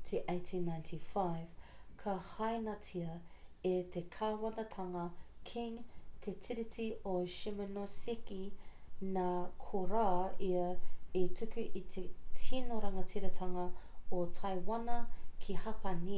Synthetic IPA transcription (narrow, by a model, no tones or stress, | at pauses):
tʰuʔeɪtʰĩnːaj̃ntʰifajv̥kʰɐhɐjnɐtʰiɐet̪ʰekʰaːwɐnɐtʰɐŋɐkʰiŋt̪ʰet͡sʰiɾitioʃimɐnosikinakʰoɾaːiɐetʰukʉʔit̪ʰetʰinoɾɐŋɐt͡siɾɐtʰɐŋɐotʰajwɐnɐkʰihɐpɐni